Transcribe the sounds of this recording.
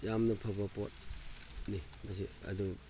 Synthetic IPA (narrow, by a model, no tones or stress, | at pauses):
jamnɐpʰɐbɐpo̰t̚ | ni | mas̬iɐ̰du